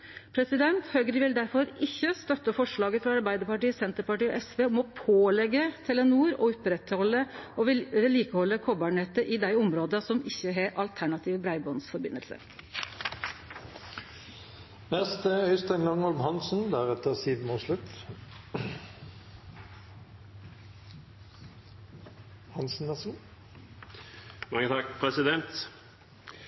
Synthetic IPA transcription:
pʰɾɛsɪd̪ɛnt̪hœɡɾɪʋɪld̪æɾfɔɾɪçːəst̪œt̪ːəfɔʂɭɑːɡəfɾɑɑɾbæɪd̪əɾpɑʈiːsɛnt̪əɾpɑʈiːɔ̰ʔɛsʋeːɔmɔpʰoːlɛɡːət̪ʰɛlənuːɾɔʊpɾɛt̪hɔlːə | liːkəhɔlːəkʰɔbɑːɳɛt̪əʔɪd̪æɪʊmɾoːd̪əsɔmɪçːəɦeɾʔɑlt̪ʰæɳɑt̪ʰiːʋbɾæɪbɔnsfɔɾbɪnːəlsə̰ | nɛst̪əœʏst̪æɪnɡ̪ɑŋhɔlmhɑnsn̩d̪æʁɛt̪əʁsiːʋmoːslʉt̪ | hɑnsn̩ʋæs | mɑŋːət̪ʰɑkpʰɾɛsɪd̪ɛnt̪

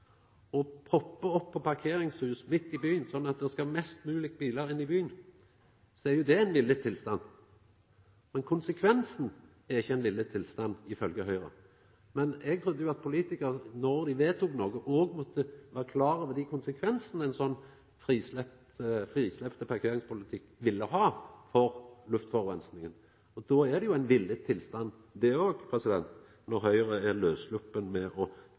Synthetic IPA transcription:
ɔpʰʁɔpːəɔpʰːɔpɑʁkʰeːɾɪŋshʉːsmɪt̪ːɪbyːənsɔnːɑt̪̚d̪ɛskɑmɛst̪mʉːlɪɡbiːləɾɪnːɪbyːən | sɔæɾjʊd̪ɛæɪnʋɪlːət̪ʰɪlst̪ɑnː | mɛnkʰʊnsəkʰʋɛnsn̩ | æʁɪçːəɛɪnlɪlːət̪ʰɪlst̪ɑnːɪfœlɡəhœʏʁə̰ | mɛnɛɡ̚t̪ʰʁʉd̪ːəjʊɑt̪̚pʰʊliːt̪ɪkəʁnɔɾd̪ɪʋeːt̪ʰʊknoːɡəʔoːɡmɔt̪ːəʋæːʁəkʰlɑːɾəʋɛd̪ɪkʰʊnsəkʰʋɛnsnæɪnsɔnː | fɾiːslɛp | t̪əfʁiːslɛpt̪əpʰɑʁkʰeːɾɪŋspʊlɪt̪ʰɪkːʋɪlːəɦɑːfɔɾlʉft̪fɔʁʋɛnsnɪŋən | ɔd̪ɔæd̪ɛjʊæɪnʋɪlːət̪ʰːɪlst̪ɑnː | d̪ɛoːɡpʰʁɛsɪd̪ɛnt̪ | nɔɾɦœʏʁəæløːslʊpːənmɛʔɔ

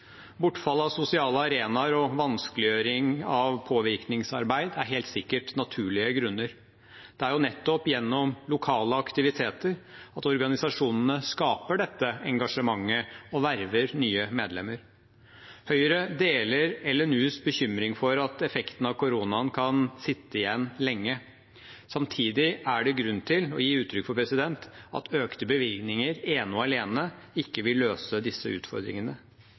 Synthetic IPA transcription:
bʊʈfɑlːəɑʋsʊsɪɑːləɑɾeːnɑɾɔʋɑnskəlɪjøːɾɪŋɑʋpʰoːʋɪɾknɪŋsɑɾbæɪd̪æɾɦeːlt̪sɪkːəʈnɑt̪ʰʉːɭɪəɡɾʉnːəɾ | d̪̥ɛæɾjʊnɛt̪ːɔpjɛnːɔmlʊkʰɑːləɑkt̪ɪʋɪt̪ʰeːt̪əɾɑt̪ɔɾɡɑnɪsɑʂuːnənəskɑːpəɖɛt̪ːəɛŋɡɑʂəmɑŋːəɔʋæɾʋəɾnyːəmeːd̪lɛ̰mːəɾ | hœʏəɾəd̪eːləɾɛlːənʉːsbəçʏmɾɪŋfɔɾɑt̪ɛfɛkt̪ən̩ɑʋkʊɾuːnɑnkʰɑnsɪt̪ːəɪjɛnːlɛŋːə | sɑmt̪ʰiːd̪ɪæɖɛɡɾʉnt̪ʰɪlɔjiːʉːt̪ʰɾʏkfɔɾpʰɾɛsɪd̪ɛnt̪ɑ̰t̪ʰøːkt̪əbəʋɪlɡnɪŋəɾeːnʊɑleːnə | ɪkːəʋɪlːøːsəd̪ɪsːəʉ̰ːt̪fɔ̰ɾd̪ɾɪ̰ŋənə

